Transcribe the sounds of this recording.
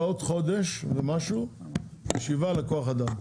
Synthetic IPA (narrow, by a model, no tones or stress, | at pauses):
ot̪χo̞d̪e̞ʃvemaʃu | jeʃivaleko̞aχad̪am